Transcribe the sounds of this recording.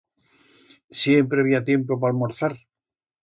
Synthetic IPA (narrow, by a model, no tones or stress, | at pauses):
sje̞mpɾeβiat̪je̞mpop̬almoɾθaɾ